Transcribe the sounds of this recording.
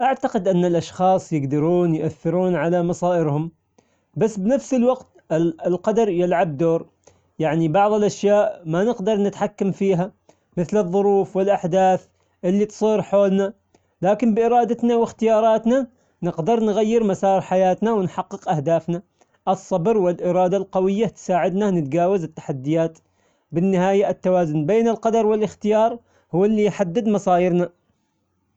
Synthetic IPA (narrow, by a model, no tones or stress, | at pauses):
ʔaʕt̪aqɪd̪ʔanːalʔaʃxɑːsˤjɪɡd̪ɑɾuːnjʔaθːɪɾuːnʕalamɑsˤɑːʔɪɾhʊm | basːbɪnafsɪlwaɡt̪ | ɪlqɑd̪ɑɾˤjɪlʕabd̪oːɾ | jaʕnibɑʕðˤɪlʔaʃjaːʔmanɪqd̪ɑɾˤnɪt̪ħakːamfiːɦa | mɪθlɨðˤːʊɾuːfwɪlʔaħd̪aːθ | ʔɪlːit̪sˤiːɾħoːlna | laːkɪmbɪʔɪɾˤɑːd̪at̪nawɪxt̪ɪjɑːɾˤɑːt̪na | nɪqd̪ɑɾˤnɣajːɪɾmasɑːɾˤħajaːt̪nawɪnħɑqːɨqʔahd̪aːfna | ʔɨsˤːɑbɾwɪlʔɪɾˤɑːd̪alqawɪjːat̪saːʕɪd̪nanɪt̪d͡ʒaːwazɪt̪ːḁħad̪ːɪjaːt̪ | bɪnːɪhaːjaɪt̪ːawaːzʊnbeːnɪlqɑd̪ɑɾˤwɪlɪxt̪ɪjɑːɾˤ | hʊwːɪlːijħad̪ːɪd̪mɑsˤɑːjɪɾna